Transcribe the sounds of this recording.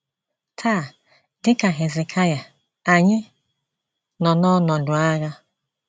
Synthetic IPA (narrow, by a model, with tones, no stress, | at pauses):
tʰaː˦˨ | dɪ˦ka˨ɦe˨ze˨kʰa˦ja˨ | a˨ɲɪ˦ | nɔ˨nɔ˦nɔ˨dʊ˨a˦ɣa˦